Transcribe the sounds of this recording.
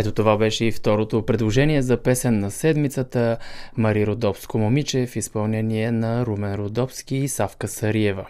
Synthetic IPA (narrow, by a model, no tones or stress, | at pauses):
ɛt̪ot̪ovabɛʃɛift̪ɔɾot̪opɾɛd̪lˠoʒɛniɛzɐpɛsɛnːɐsɛd̪mit̪sət̪əmɐɾiɾod̪ɔfskomomit͡ʃɛfispɐlˠnɛniɛnɐɾumɛnɾod̪ɔfsk̟ʲiːsafkəsɐɾiɛvə